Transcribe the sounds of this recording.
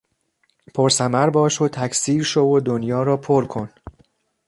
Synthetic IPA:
pʰoɾsæmæɾbɒːʃot̪ʰæcʰsiːɾʃovod̪onjɒːɾɒːpʰoɾkʰo̞n

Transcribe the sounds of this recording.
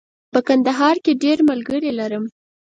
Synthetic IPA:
pəkand̪aɦɑɾkeɖeɾməlɡəɾelaɾəm

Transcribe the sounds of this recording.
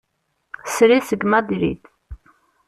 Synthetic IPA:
sɾisəɡmæd̪iɾḭd̪

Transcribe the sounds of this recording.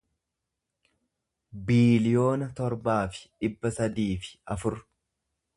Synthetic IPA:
biːlɪjo̞ːnɐt̪ɔɾbaːfɪ̥ᶑɪbːɐsɐd̪iːfɪ̥ɐfʊɾ

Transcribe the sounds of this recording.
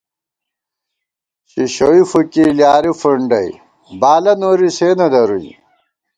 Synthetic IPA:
ɕiɕowifukiljaːɾifuɳɖɐj | baːlɐnoːɾiseːnɐd̪ɐɾujḭ

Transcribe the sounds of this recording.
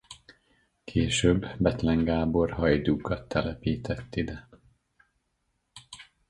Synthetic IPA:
kʰeːʃøːbːɛt̪lɛŋɡaːbo̞rɦɒjd̪uːkɒt̪ʰːɛlɛpiːt̪ʰɛt̪ːid̪ɛ

